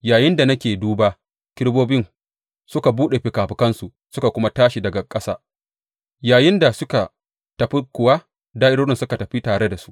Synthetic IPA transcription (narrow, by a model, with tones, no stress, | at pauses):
jaː˨jɪ˦nda˨nɐ˦kʲeː˨duː˦baː˦ | kʲɪ˦ɽboː˦bɪ˦ŋ | sʊ˦ka˨buː˦ɗe˨ɸɪ˨kaː˨ɸɪ˨kɐ˦nsu˨ | sʊ˦ka˨kʷʊ˦ma˦taː˦ʃi˨dɐ˨ɡa˨kʼɐ˦sa̰ː˦ | jaː˨jɪ˦nda˨sʊ˦ka˨ | tɐ˨ɸi˦kʷʊ˨wa˦ | daː˦ʔɪ˦ɽoː˦ɽɪ˦nsʊ˦ka˨tɐ˨ɸi˦taː˨ɽe˦da˨su̥˦ʔ